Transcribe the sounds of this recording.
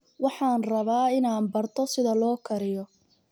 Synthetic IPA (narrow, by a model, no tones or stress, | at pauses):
wɑħɑːnrɐβaːɪnaːnbɐrt̪ʰɔsɪðɐlɔːkʰɐɾɪjɔ